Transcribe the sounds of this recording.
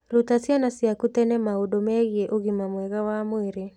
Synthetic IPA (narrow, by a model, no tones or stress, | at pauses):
lutasianasiakutɛnɛmaudɔmɛɣiɛʔuɣimamwɛɣawamweɾe